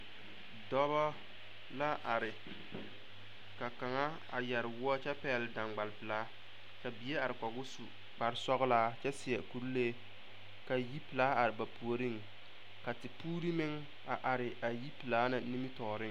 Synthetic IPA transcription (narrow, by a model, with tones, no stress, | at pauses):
dɔ˦bɔ˦ | la˦ʔa˨ɾɪ˨ | ka˨ka˨ŋa˦ | a̰˨jɛ˨ɾɪ˨wʊ˦ɔ˦t͡ʃɛ˦pɛː˦˨lda˨ŋɡ͡ba˨lpɨ˨laː˦ | ka˨bi˨e˦a˨ɾɪ˨kɔ˨ɡʊ˦su˨ | k͡pa˨ɾsɔ˦ɣʊ˦laː˦t͡ʃɛ˦sɪ˨jɛ˨ku˨ɾleː˦˨ | ka˨ji˦pɨ˨laː˦a˨ɾɪ˨ba˨pʰu˨o˨ɾi˦˨ŋ | ka˨tɪ˨puː˦ɾi˦mɪ˦ŋ | a˨ʔa˨ɾɪ˨a˨ji˦pɨ˨laː˦na˨ni˦mi˦tɔː˨ɾɪ˦ŋ